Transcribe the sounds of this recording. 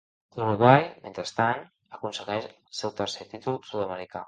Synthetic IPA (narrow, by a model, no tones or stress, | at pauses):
luɾuɣwajmḛnt̪ɾəst̪an | əkunsəɣɛʃlˠsewt̪ərset̪it̪ulˠsuðəməɾika